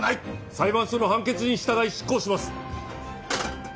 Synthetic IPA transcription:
aisaiβãɰ̃ɕono̞ɦãŋke̞t͡sɨɲ̟iɕi̥t̪aɡaiɕi̥kːo̞ːɕimasɨ̥

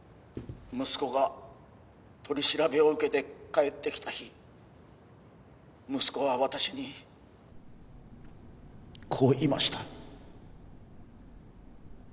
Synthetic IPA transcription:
mɯ̟sɨ̥ko̞ɡa | t̪ʰo̞ɾʲiɕiɾabe̞o̞ɯ̟ke̞t̪e̞kaet̪ːe̞kʲi̥t̪açi | mɯ̟sɨ̥ko̞βaβat̪aɕiɲ̟i | kʰo̞ːima̰ɕi̥t̪a

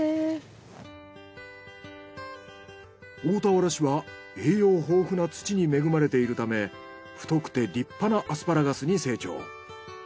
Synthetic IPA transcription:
oːt̪aoɾaɕiβa | eːjo̞ːɦo̞ːɸɯ̟nat͡sɨ̥t͡ɕiɲ̟ime̞ɡɯ̟maɾe̞t̪e̞iɾɯ̟t̪ame̞ | ɸɯ̟̥t̪o̞kɯ̟̥t̪e̞ɾʲipːanaʔasɨ̥paɾaɡasɨɲ̟ise̞ːt͡ɕo̞̰ː

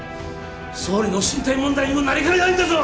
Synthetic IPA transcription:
soːɾʲinoɕĩnt̪aimõnd̪aiɲimɯnːaɾʲikaid̪aĩnd̪es

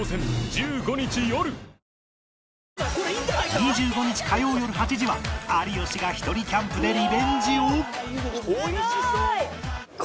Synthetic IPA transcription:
sẽnd͡ʑɨːɡo̞ɲ̟it͡ɕijo̞ɾɯ̟ | ɲid͡ʑɨːɡo̞ɲ̟it͡ɕi̥kʰajo̞ːjo̞ɾɯ̟ɦat͡ɕiʑiβaaɾʲijo̞ɕiɡaçi̥t̪o̞ɾʲikʲãmpɯ̟d̪e̞ɾʲibẽ̞ɲd͡ʑio

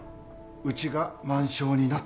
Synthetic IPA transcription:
ɯ̟t͡ɕiɡamãɰ̃ɕo̞ːɲ̟inat

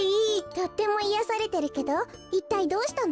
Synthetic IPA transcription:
iːt̪o̞t̪ːe̞mo̞ijasaɾe̞t̪e̞ɾɯ̟ke̞d̪o̞ | it̪ːaid̪o̞ːɕi̥t̪an

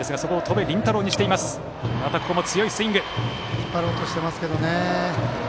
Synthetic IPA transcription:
esɨɡaso̞ko̞ːt̪ʰo̞be̞ɾʲĩnt̪aɾo̞ːɲiɕit̪eimasɨ̥ | nat̪akokomo̞t͡sɨjo̞isɨĩŋɡɯ̟ | ipaɾoːt̪oɕi̥t̪e̞masɨ̥ke̞d̪o̞ne

